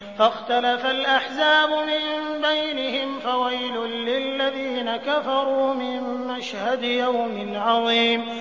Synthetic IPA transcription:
faxt̪alafalʔaħzaːbʊmɪnbajnɪhɪmfawajlʊlɪlːaðiːnakafɑɾˤuːmɪnːaʃhad̪jawmɪnʕɑðˤiːm

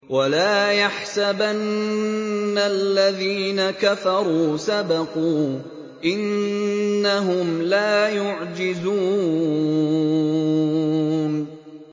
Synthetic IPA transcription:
walaːjaħsabanː | alːaðiːnakafɑɾˤuːsabɑquː | ʔɪnː | aɦʊmlaːjʊʕd͡ʒɪzuː | n

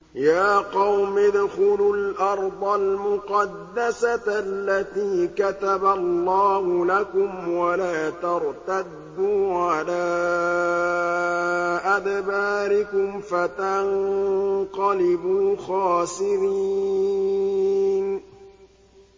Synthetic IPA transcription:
jaːqɑwmɪd̪xʊlʊlʔɑɾˤd̪ˤɑlmʊqɑd̪ːasalːat̪iːkat̪abalˤːɑːhʊlakʊmwalaːt̪ɑɾt̪ad̪ːuːʕalaː | ʔad̪baːɾɪkʊmfat̪an | qɑlɪbuːxɑːsɪɾi | n

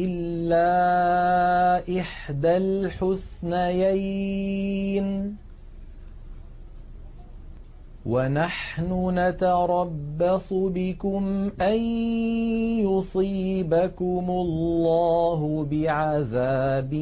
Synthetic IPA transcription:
ʔɪlːaː | ʔɪħd̪alħʊsnajaj | n | wanaħnʊnat̪ɑɾˤɑbːɑsˤʊbɪkʊmʔan | jʊsˤiːbakʊmʊlːɑːɦʊbɪʕaðaːbɪ

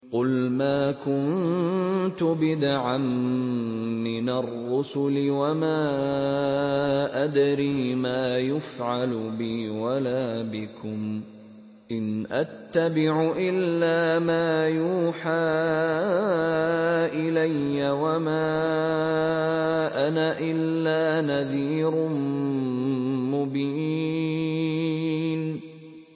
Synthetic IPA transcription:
qʊlmaːkʊn | t̪ʊbɪd̪aʕamː | ɪnarˤːʊsʊlɪwamaː | ʔad̪ɾiːmaːjʊfʕalʊbɪwalaːbɪkʊm | ʔɪnʔat̪ːabɪʕʊʔɪlːaːmaːjuːħaː | ʔɪlajːawamaː | ʔanaʔɪlːaːnaðiːɾʊ | mʊbiː | n

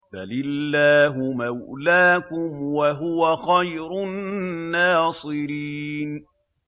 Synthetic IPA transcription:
balɪlːaːɦʊmawlaːkʊmwaɦʊwaxajɾʊnːaːsˤɨɾiːn

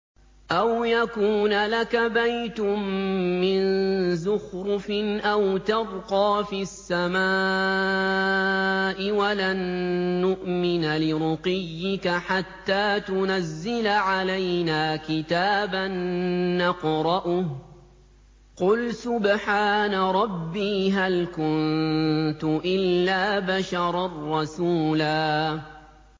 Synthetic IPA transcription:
ʔawjakuːnalakabajt̪ʊmːɪnzʊxɾʊfɪnʔawt̪ɑbqɑːfisːamaː | ʔɪwalanːʊʔmɪnalɪɾʊqɪjːɪkaħat̪ːaːt̪ʊnazːɪlaʕalajnaːkɪt̪aːbanːɑqɾˤɑʔʊ | qʊlsʊbħaːnaɾˤɑbːiːɦalkʊnt̪ʊʔɪlːaːbaʃɑɾˤɑrːɑsuːlaː

